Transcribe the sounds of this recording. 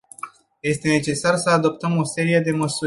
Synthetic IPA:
je̞st̪e̞ne̞t͡ʃe̞sarsəad̪o̞p̚t̪əmo̞se̞ɾije̞d̪e̞məsu

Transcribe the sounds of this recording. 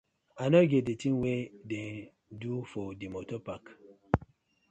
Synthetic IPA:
anɔɡet̚detĩŋwede | dufɔdimotɔpak

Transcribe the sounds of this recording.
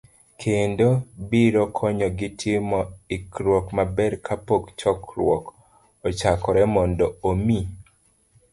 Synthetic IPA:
kʰendobiɾokʰɔɲɔɡɪtʰɪmɔikɾwɔkmabɛɾkʰapokt͡ʃɔkɾw̰ɔk | ot͡ʃakɔɾɛmɔndɔomi

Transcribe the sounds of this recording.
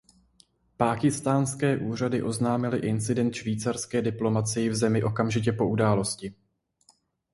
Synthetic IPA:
paːkɪst̪aːnskɛːʔuːr̝adɪʔo̞znaːmɪlɪʔɪnt͡sɪdɛnt̪ʃviːt͡saɾskɛːdɪplo̞mat͡sɪjɪvzɛmɪʔo̞kamʒɪc̬ɛpo̞ʔudaːlo̞scɪ

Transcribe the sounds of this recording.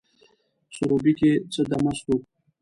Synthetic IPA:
suɾobiket͡səd̪amast̪u

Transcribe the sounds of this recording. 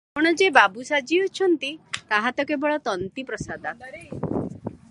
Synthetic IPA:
puɽ̃ɔd͡ʒebabusad͡ʒiɔt͡ʃʰɔnt̪it̪aɦat̪ɔkebɔɭɔt̪ɔnt̪ipɾɔsad̪a

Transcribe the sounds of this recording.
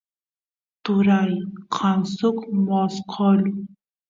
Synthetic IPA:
t̪uɾajqʰɑnsʊkmɔsqʰɔl

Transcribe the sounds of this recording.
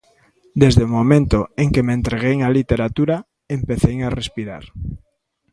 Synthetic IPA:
d̪ezðeomomẽnt̪oeŋkement̪ɾeɣejŋalit̪eɾat̪uɾa | empeθejŋarespiɾa̰ɾ

